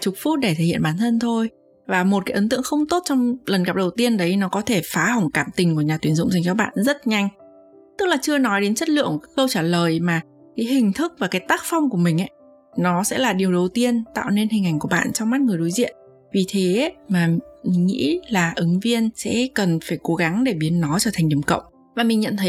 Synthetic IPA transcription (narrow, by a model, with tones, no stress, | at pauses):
t͡ɕʊ˨˩k̚fu˦˥t̚ɗe˧˩t̪ʰe˧˩hḭ˧˨ə˨nɓaː˨˦nt̪ʰə˧nt̪ʰo˧j | vaː˨˩mo˨˩t̚kaː˨˦jʔə˨˦nt̪ɨ̰˧˨əŋxə˧wŋ͡mt̪o˦˥t̚t͡ɕɔ˧wŋ͡mlə˨˩nka˦˥˩ɗə˨˩wt̪i˧ənɗə˨˦jnɔ˨˦kɔ˨˦t̪ʰe˧˩faː˨˦ha˨˩wŋ͡mkaː˧˩mt̪ï˨˩ŋ̟ku˧˩əɲaː˨˩t̪wi˨˦ənzʊ̰˧˨ŋ͡mzi˨˩ŋt͡ɕɔ˨˦ɓa̰ː˧˨nzə˦˥t̚ɲa˧jŋ̟ | t̪ɨ˦˥k̚laː˨˩t͡ɕɨ˧ənɔ˨˦jɗe˨˦nt͡ɕə˦˥t̚lɨ̰˧˨əŋkə˧wt͡ɕaː˧˩ləː˨˩jmaː˨˩ | kaː˨˦jɦï˨˩ŋ̟t̪ʰɨ˦˥k̚vaː˨˩kaː˨˦jt̪aː˦˥k̚fa˧wŋ͡mku˧˩əmï˨˩ŋ̟ʔa˨˦ | nɔ˨˦sɛ̰˧˥laː˨˩ɗi˨˩əwɗə˨˩wt̪i˧ənt̪a̰ː˧˨wne˧nhi˨˩ŋ̟ʔa˨˩jŋku˧˩əɓa̰ː˧˨nt͡ɕɔ˧wŋ͡mmaː˦˥t̚ŋɨ˨˩əjɗo˨˦jzḭ˧˨ən | vi˨˩t̪ʰe˨˦maː˨˩mi˨˩ŋŋḭ˧˥laː˨˩ʔɨ˨˦ŋvi˧ənsɛ̰˧˥kə˨˩nfaː˧˩jko˨˦ɣa˨˦ŋɗe˧˩ɓi˨˦ənːɔ˨˦t͡ɕɔ˧˩t̪ʰŋɗi˧˩əmkə̰˧˨wŋ͡m | vaː˨˩mï˨˩ŋɲə̰˧˨nt̪ʰə˨˦